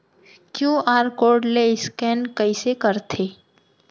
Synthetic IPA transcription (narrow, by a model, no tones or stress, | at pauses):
kjũːaːɾkoːɾɖleɪskɛːnkəisekəɾt̪ʰeː